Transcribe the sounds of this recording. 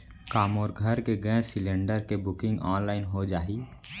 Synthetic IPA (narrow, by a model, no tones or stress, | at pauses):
kaːmoːɾɡʱəɾkeɡə̃sɪlẽɳɖəɾkebʊkɪ̃ŋɡɔːnlaːɪnɦod͡ʒaːɦiː